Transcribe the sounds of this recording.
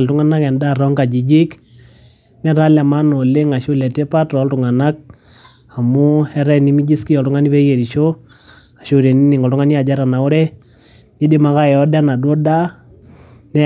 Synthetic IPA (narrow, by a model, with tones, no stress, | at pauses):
ltʊ˦ŋa˦na˦kɛ˨nda˦˨ɾɔ˦ŋka˨d͡ʒi˨d͡ʒɪ˦k | nɛ˦ɾa˦la˨ma˦nɔ˨le˦ŋa˨ʃo˦lɛ˨te˦pa˦tɔ˨˦ltʊ˨ŋa˨na˦k̚ | a˨mʊ˦ɛ˦ɾɛ˦ni˦mi˦d͡ʒi˦ski˦jɔ˨ltʊ˦ŋa˦ni˦pɛ˦je˨ɾi˨ʃo˦ | a˨ʃo˦ɾe˨ni˦ni˨ŋɔ˨ltʊ˦ŋa˦ni˦a˨d͡ʒa˦ɾa˨na˨ʊ˦ɾɛ˦ | ɲɪ˦dɪ˦ma˨˦ka˦ɛ˨ɔ˦dɛ˦na˨dwo˦da˦ | nɛ˦